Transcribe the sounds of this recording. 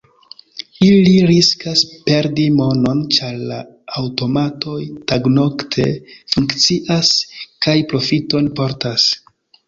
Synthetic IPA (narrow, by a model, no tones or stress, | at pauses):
iliɾiskaspe̞ɾdimo̞no̞nt͡ʃaɾlaː | wto̞matʰo̞jtaɡno̞ktʰe̞̰fuŋkt͡siʔaskajpɾo̞fito̞npo̞ɾtas